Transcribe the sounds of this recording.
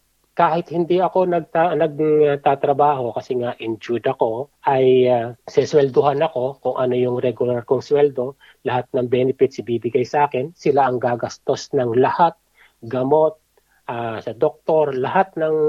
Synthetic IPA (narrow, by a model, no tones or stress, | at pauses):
kaːhɪt̪̚hɪnd̪iɐko̞nɐɡ̚t̪anɐɡ̚t̪aːt̪ɾɐbaːɦo̞kɐsɛŋaʔɪnd͡ʒud̪ɐko̞ʔɐjasɛswɛld̪ʊɦanɐko̞kʊŋʔɐno̞jʊŋɾɛɡʊlaɾkoŋswɛld̪o̞ | lɐhat̪̚nɐŋbɛːnɪpɪt̪sɪbiːbɪɡajsɐʔaːkɪnsɪlaʔɐŋɡaːɡɐst̪o̞snɐŋlɐhat̪̚ | ɡɐmo̞t̪̚ | ʔaːsɐd̪ok̚t̪o̞ɾlɐhat̪̚nɐŋ